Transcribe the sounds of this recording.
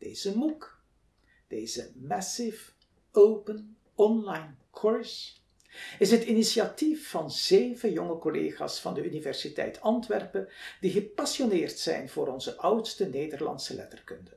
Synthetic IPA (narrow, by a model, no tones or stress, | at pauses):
d̥eːz̥əmuk | d̥eːjzəmɛsɪf | owpən | ɔnlajnkʰɔɹs | ɪsɦətinisiatifːɑnzeːvəjɔŋəkɔlḛːχa̰ːsfɑndəynivɛrsitɛ̰jtʰɑntʋɛrpəd̥iɣəpasjonɪːrtsɛ̰jnv̥ʊːɾɔnzəʔʌwtstəneːdərlɑ̰nsəlɛ̰tərkɵndə